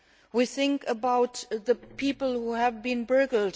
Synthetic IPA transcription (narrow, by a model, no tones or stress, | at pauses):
wiθɪ̃ŋkəbaʊt̪ðəpʰipl̩ˠhuɨvbĩnbɜɡl̩d